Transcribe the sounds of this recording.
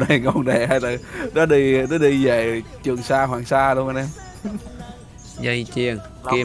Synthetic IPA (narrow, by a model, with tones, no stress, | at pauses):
nə˨˩jŋo˨˧˩nɗe˨˩ɦa˧jt̪ə˨˩nɔ˨˦ɗi˧nɔ˨˦ɗi˧zə˨˩t͡ɕɨ˨˩əŋsaː˧ɦwaː˧˨˩ŋsaː˧lu˧əŋʔa˧nʔɛ˧m | zə˧jt͡ɕi˧˩əŋ | ki˧